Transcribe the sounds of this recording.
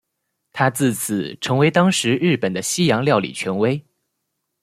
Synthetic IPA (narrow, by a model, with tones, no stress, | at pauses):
t̪ʰa˥t͡sɹ̩˥˩t͡s̩ʰ˨˩ʈ͡ʂʰɤ˧˥ŋwe˧˥ɪt̪ɑ˥ŋʂɻ̩˧˥ɻɻ̩˥˩pə˨˩nd̪ə˦ɕi˥jɑ˧˥ŋljɑ˥˩ʊlḭ˨˩t͡ɕʰɥɛ˧˥nwe˥ɪ